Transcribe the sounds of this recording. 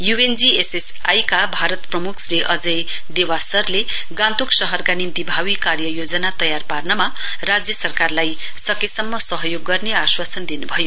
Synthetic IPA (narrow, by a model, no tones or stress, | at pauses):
juend͡zieses | ajkabʱaɾʌt̪prʌmukʰsriʔʌd͡zʌj | d̪ewasʌrle | ɡãnt̪uksʌɦʌrkanimt̪ibʱawikarjʌjod͡zʌnat̪ʌjarparnʌma | rad͡zjʌsʌrkarlaj | sʌkesʌmːʌsʌɦʌjoɡːʌrneaswasʌnd̪inubʱʌjo